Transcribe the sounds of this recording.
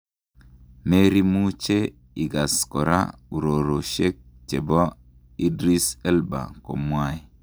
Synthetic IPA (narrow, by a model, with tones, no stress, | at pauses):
me˦ɾi˦mu˦t͡ʃe˦ | i˨ɡa˨sko˨ɾa̰˦u˨ɾo˨ɾo˨ʃe˦k̚t͡ʃe˨bɔ˦ | i˦dɾi˦sɛ˦lba̰˨ko̰˨mwai˦